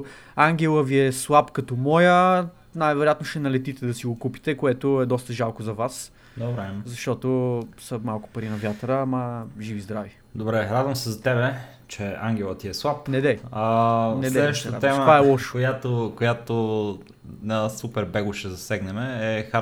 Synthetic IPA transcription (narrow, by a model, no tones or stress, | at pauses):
aŋɡʲɛlˠəviɛslˠapkɐt̪ɔmɔjə | najvɛɾojat̪noʃt̪ɛnɐlɛt̪it̪ɛd̪ɐsiɡokupi̥t̪ɛkoɛt̪ʊɛd̪ɔst̪əʒalˠkozɐvas | d̪obɾɛzɐʃt̪ɔt̪osəmalˠkʊ̥pɐɾinɐvʲjat̪ɾəamɐʒivizd̪ɾavi | d̪obɾɛɾad̪vɐ̃msɛzɐt̪ɛbɛ | t͡ʃɛaŋɡʲɛlˠət̪iɛslˠap̚nɛd̪ɛanɛɛɛɛəʃt̪ət̪ɛməvaɛlˠɔʃkojat̪okojat̪o | nɐsupɛɾbɛɡʊʃɛzɐsɛɡnɛmɛːxa